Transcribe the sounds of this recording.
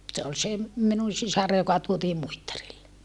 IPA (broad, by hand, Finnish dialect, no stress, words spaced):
se ol se minun̞ sisɑr jokɑ tuotiː muitːɑrilːe